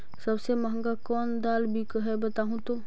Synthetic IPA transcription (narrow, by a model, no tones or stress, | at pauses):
səbsemɐɦə̃ŋɡakɔːnd̪aːlbʱikəɦɛbət̪aːɦũt̪o